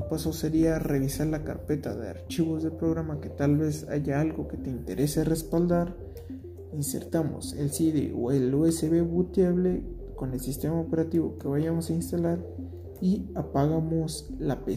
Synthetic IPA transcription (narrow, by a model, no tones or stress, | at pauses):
paso̞seɾiare̞βisaɾlaka̰ɾpe̞t̪aðea̰ɾt͡ʃiβozðe̞lpɾo̞ɣɾamake̞t̪alβe̞sa̰ʝaalɣo̞ke̞t̪e̞int̪e̞ɾʔe̞serespald̪aɾ | inse̞̰ɾt̪amo̰selsiðḛo̰eloeseβeβut̪jaβle | ko̞ne̞lsist̪e̞maope̞ɾat̪iβo̞̰ke̞βaʝamosainst̪alaɾ | iapaɣamoslape